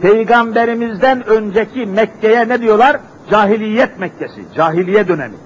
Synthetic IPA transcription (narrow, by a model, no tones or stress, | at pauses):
pʰejɡambeɾimizd̪ænønd͡ʒɛcʰimɛcːɛjɛnɛd̪ijo̞lˠaɾ | d͡ʒaːɦilʲijːɛt̪̚mɛcːɛsḭd͡ʒaːɦilʲijɛd̪ø̞nɛmḭ